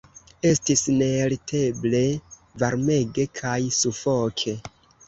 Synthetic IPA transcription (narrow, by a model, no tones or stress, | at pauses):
e̞stisne̞ɾitʰe̞ble̞vaɾme̞ɡe̞kʰajsufokʰe̞